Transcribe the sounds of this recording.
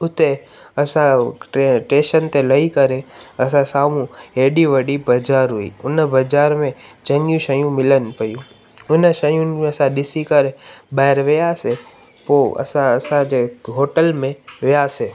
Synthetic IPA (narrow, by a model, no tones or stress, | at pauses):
ʊt̪e | əsãʈʈẽʃənt̪ʰeləikəɾeəsãsamũeɖiʋəɽibəd͡ʒaɾɦuḭʊnəbəd͡ʒaɾmẽd͡ʒəŋɡjũʃəjũmɪlənpəjũ | ʊnəʃəjũẽəsãɗɪsikəɾebajɾʋejase | poə̰sãəsãd͡ʒeɦoʈəlmẽʋjase